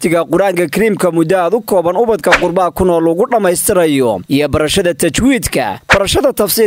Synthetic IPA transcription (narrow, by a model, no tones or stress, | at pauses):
t̪ʰɪɣɐqʊɾaːŋkʰɐkʰɪɾiːmkʰɐmʊd̪ɐːd̪ʊkʰɔːβɐnʊβɐd̪kʰɐqʊrbɐkʰʊnɔːlɐɣʊɖɐmɛjst̪ʰɪɾɐjɔʔijɔbɐɾɐʃɐðɐt̪ʰɐt͡ʃwiːd̪kʰɐ̰b̥ɐɾɐʃɐðɐt̪ʰɐfsiː